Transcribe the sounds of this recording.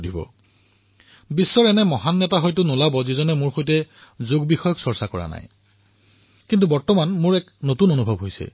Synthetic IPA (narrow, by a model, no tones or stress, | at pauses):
dibɔ̰ | bisːɔɹɛnɛmɔɦanːɛtaɦɔjtʊnʊlabɔzizɔnɛmʊɹxojtɛzoɡbixɔjɔksɔɹsakɔɹa̰na̰j | kintubɔɹtɔmanmʊɹɛknotunonubʱɔbɦojsɛ̰